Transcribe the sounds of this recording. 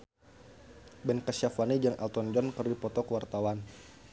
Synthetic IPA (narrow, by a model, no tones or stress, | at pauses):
bɛnkasafanid͡ʒaŋʔa̰lt̪ɔnd͡ʒɔnkərdipɔt̪ɔkəwart̪awan